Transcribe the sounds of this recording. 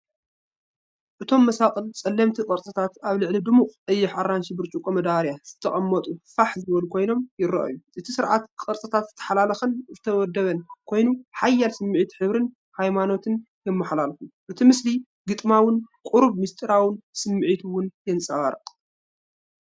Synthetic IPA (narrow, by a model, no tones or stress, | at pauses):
ʔɨt̪ʰo̞mːɐsakʼɨlt͡sʼɐlːɐmt̪ʰikʼɐɾt͡sʼɐt̪ʰat̪aβlɨʕlid̪ɨmuχʼʔɨjːɛħaɾːanʃibɨɾt͡ʃʼukʼomɐd̪aɾjaz̥ɨt̪ʰːɐχʼɐmːɐt̪ʼufaħzɨβɐlukʰo̞jno̞mjɪɾɐ̰ʔɐ̰juʔɨt̪ʰisɨɾʕat̪kʼɐɾt͡sʼɐt̪ʰat̪zɨ̥t̪ʰːɐ̥ħalalɐxɨnzɨt̪ʰɐwɔd̪ːɐβɐnkʰo̞jnuħajːalsɨmːʕit̪ħɨβɾɨn | hajmano̞t̪ʰɨn | jɛmːɐħlalfuʔɨt̪ʰimɨsli | ɡɨt̪ʼmawɨnkʼuɾuβmist̪ʼɨɾawɨnsɨmːʕit̪ʰuwʊnjɛnt͡sʼɐwaɾɐ̰qʼ